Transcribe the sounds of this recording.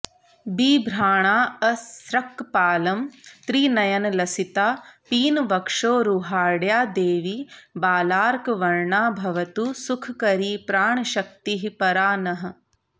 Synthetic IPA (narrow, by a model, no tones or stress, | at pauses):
biːbʱɾaːɳ̃aːɐsɾɐkpaːlɐmt̪ɾiːnɐjɐnɐlɐsit̪aːpiːnʋɐkʂoːɾuːɦaːɽjaːd̪eːʋibaːlaːɾkʋɐɾɳaːbʱɐʋɐt̪usukʰkɐɾiːpɾaːɳʃɐk̚t̪iɦipɐɾaːnɐɦɐ̆